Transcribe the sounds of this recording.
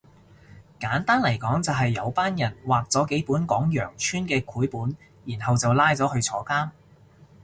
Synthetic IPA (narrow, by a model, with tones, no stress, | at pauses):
kaː˨˥nt̪aː˥nlɐ˨˩jkɔː˨˥ŋt͡sɐ˨wɦɐ˨jːɐ˨˧wpaː˥njɐ˨˩nwaː˨˩k̚t͡sɔː˨˥ke˨˥jpuː˨˥nkɔː˨˥ŋjœː˨˩ŋt͡ʃʰyː˥nkɛː˧kʰuː˨˥jpuː˨˥n | jiː˨˩nɦɐ˨wt͡sɐ˨wlaː˥jt͡sɔː˨˥hɵ˧ɥt͡sʰɔː˨˥kaː˥n